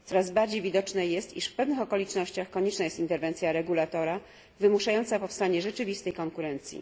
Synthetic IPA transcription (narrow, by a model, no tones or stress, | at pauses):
t̪ɔɾazbaɾd͡ʑejvʲid̪ɔt͡ʂnɛjɛst̪ḭʂfpɛvnɘxɔkɔlʲit͡ʂnɔɕt͡ɕaxkɔɲɛt͡ʂnajɛst̪ʲint̪ɛɾvɛnt̪sʲjaɾɛɡulat̪ɔɾa | vɘmuʂajɔnt̪sapɔfst̪aɲɛʐɛt͡ʂɘvʲist̪ɛjkɔŋkuɾɛnt̪sʲjḭ